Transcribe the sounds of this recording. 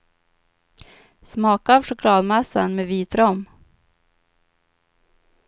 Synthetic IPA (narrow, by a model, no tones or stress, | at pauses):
smɑːkaːvʂʊkʰlɑːd̪mɛsːə̰nmeːviːt̪ɾɔm